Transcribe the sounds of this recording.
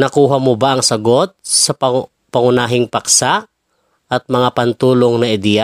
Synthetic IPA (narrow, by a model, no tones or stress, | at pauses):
nɐkuːɦɐmobaʔɐŋsɐɡot̪̚sɐp | pɐŋʊnaːɦɪŋpɐksa | ʔɐt̪̚mɐŋapɐnt̪uːloŋnɐʔɪd̪ija